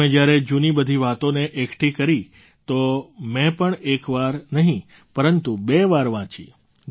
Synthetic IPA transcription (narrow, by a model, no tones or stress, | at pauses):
ẽd͡ʒjaɾed͡ʒunibəd̪ʱiʋat̪oneʔekʰʈʰikəɾi | t̪omɛ̃pəɳekʋaɾnəɦĩ | pəɾənt̪ubeʋaɾʋãt͡ʃḭ